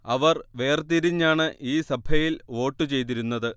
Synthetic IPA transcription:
ɐʋɐrʋe̞ːrt̪iɾiɲːaːɳɨʔiːsɐbʱɐjilo̞ːʈːɨt͡ɕe̞jt̪̬iɾunːɐðɨ

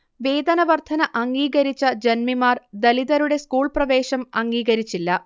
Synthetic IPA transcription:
ʋe̞ːd̪ɐnɐʋɐrt̪ʰɐnɐʔɐŋɡiːɣɐɾit͡ɕːɐd͡ʑenmimaːrd̪ɐliðɐɾuɽe̞skuːɭprɐʋe̞ːɕɐmɐŋɡiːɣɐɾit͡ɕːilːɐ

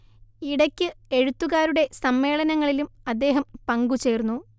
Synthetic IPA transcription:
iɽɐkʲːɨe̞ɻut̪ːuɣaːɾuɽe̞sɐmːe̞ːɭɐnɐŋːɐɭilumɐd̪ːe̞ːɦɐmpɐŋɡut͡ɕe̞ːrnːu

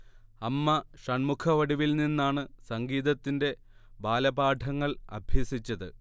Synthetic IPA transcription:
ɐmːɐʂɐɳmukʰɐʋɐɽiʋilninːaːɳɨsɐŋɡiːðɐt̪ːinde̞ | baːlɐbaːʈʰɐŋːɐɭɐ̰bʱjɐsit͡ɕːɐðɨ

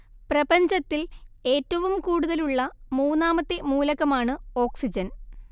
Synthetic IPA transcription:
prɐbɐɲd͡ʑɐt̪ːile̞ːtːɐʋumkuːɽuðɐluɭːɐmuːnːaːmɐt̪ːe̞muːlɐɣɐmaːɳɨo̞ːksid͡ʑɐn

